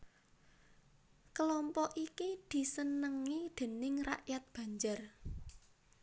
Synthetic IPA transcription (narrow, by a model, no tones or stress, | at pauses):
kəlɔmpɔʔikid̪̥i̤sənəŋid̪̥e̤nɪŋraʔjat̪̚b̥ä̤ɲd͡ʒar